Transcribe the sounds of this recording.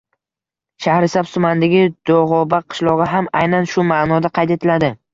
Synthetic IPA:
ʃahɾɪsabsʊmand̪aɡʲɪd̪̥oʁɒbaqʰɨ̥ʃlˠɒʁɨɦamajnanʃʊmanɒd̪aqʰɑjt̪e̞t̪ʰɪlad̪ɪ

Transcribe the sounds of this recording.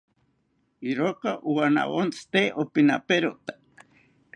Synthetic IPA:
iɾokaʔuwana̰wont͡st̪eʔopina̰peɾot̪ḁ

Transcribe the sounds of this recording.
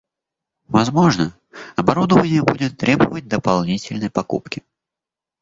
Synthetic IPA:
vɐzmo̞ʐnə | ɐbɐɾud̪əvənʲɪjəbudʲɪt̪ːɾʲebəvət̚ʲd̪əpalˠnʲitʲɪlʲnəjpɐkṵpkʲɪ

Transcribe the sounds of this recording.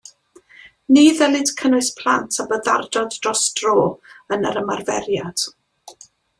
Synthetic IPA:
niːðɛlɪd̥kʰənʊɨspʰl̥ˠantʰabəða̰rdɔddrɔsdroːənə̰ɾəmarvɛ̰rjad̥

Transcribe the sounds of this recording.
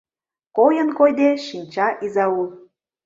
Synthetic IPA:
kojənkojd̪eʃinʲt͡ɕɑʔizɑul

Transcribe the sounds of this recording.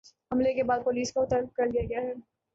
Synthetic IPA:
hɐmlekebaːd̪̚poːliːskaʊt̪alb̚kɐɾd̪ijaɡɐjaɦɛː

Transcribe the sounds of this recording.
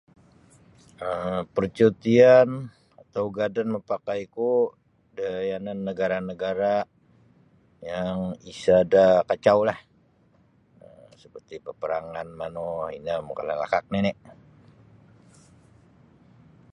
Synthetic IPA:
əmpərt͡ʃut̪ian | at̪awɡadanməpakajku | dajananːəɡaɾanəɡaɾa | jaŋisadakat͡ʃawlah | əsə̥pərt̪ipəpəɾaŋanmanɔhḭnamuka̰la̰la̰kak̚ninɪʔ

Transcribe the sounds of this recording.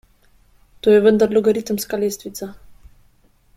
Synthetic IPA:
t̪ojɛvənd̪aɾlɔɡaɾit̪əmskalest̪vit̪sa

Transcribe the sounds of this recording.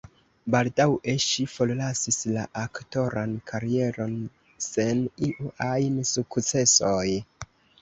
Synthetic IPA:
baldawe̞ʃifo̞llasisla̰ʔakto̞ɾankʰaɾie̞ɾo̞n | se̞niʔuajnsukt͡se̞soj

